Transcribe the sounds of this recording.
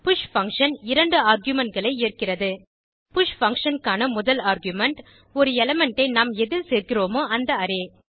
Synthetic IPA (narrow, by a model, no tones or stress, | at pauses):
pʊʂfɐŋkʂɐnɪɾɐɳɖɯaːɾɡjʊmɛɳʈ̚ɡɐɭɐɪeːrkɪrɐðɯ | pʊʂfɐŋkʂɐnkaːnɐmʊðɐlaːɾɡjʊmɛɳʈ | ɔɾɯɛlɐmɛɳʈɐɪnaːmɛðɪlseːɾkɪroːmoːʔɐnd̪ɐɐɾeː